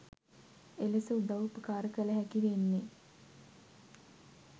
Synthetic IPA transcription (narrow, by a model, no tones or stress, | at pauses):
elesəud̪awupəkaːɾəkələɦækiʋenːe